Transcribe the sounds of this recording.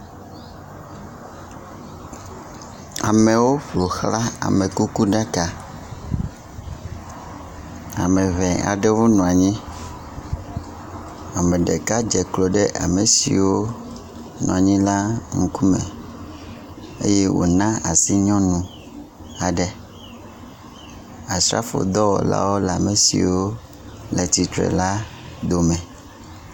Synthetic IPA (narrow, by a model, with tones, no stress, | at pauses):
a˨mɛ̃˨wo˦ɸlo˨xla˦a̰˨mɛ̃˨ku˦ku˦ɖa˦ka˨ | a̰˨mɛ˨βɛ˨a̰˨ɖɛ˦wo˦nũ˨a˨ɲĩ˦ | a˨mɛ̃˨ɖɛ̰˨ka˦d͡ʒɛ˨klo˨ɖɛ˦ʔa̰˨me˨sḭ˨wo˦ | nṵ̃˨a˨ɲĩ˦la˦ŋu˦ku˦mẽ˨ | ḛ˦je˦wo̰˨nã˦a˨si˦ɲɔ̃˦nũ˨ | a˨ɖe˦ | a˨sɾa̰˦fo̰˨d̪ɔ˦wɔ̰˨la̰˦wo˦lɛ˨a˨me˨sḭ˨wo˦ | lɛ˨t̪i˨t̪ɾɛ̰˨la˦ | d̪o˨mɛ̃˨